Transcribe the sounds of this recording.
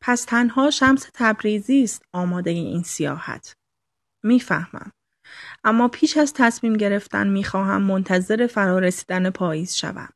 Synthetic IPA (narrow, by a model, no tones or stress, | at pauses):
pʰæst̪ʰænhɒːʃæmset̪ʰæbɾiːziːst̪ɒːmɒːd̪e̞jeiːnsijɒ̰ːhæ̰t̪ʰ | miːfæhmæ̰m | ʔæmːɒːpʰiːʃæzt̪ʰæsmiːmɟe̞ɾe̞ft̪æ̰nmiːxɒːɦæ̰mːont̪ʰæze̞ɾe̞fæɾɒːɾesi̥ːd̪ænepʰɒːjiːz̥ʃæ̰væ̰m